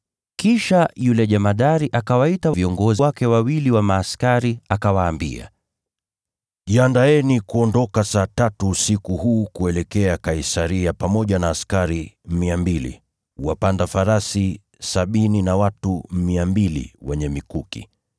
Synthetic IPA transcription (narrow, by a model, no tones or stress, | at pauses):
kiʃajulɛʄamaɗaɾiʔakawaitaviɔŋɡɔzwakɛwawiliwamaːskaɾiakawaːmbḭa̰ | iandaɛnikuɔndɔkasaːtatusikuhuːkuɛlɛkɛakaisaɾiapamɔʄanaːskaɾimiambilḭ | uwapandafaɾasi | saɓininawatumiambilḭwɛɲɛmikukḭ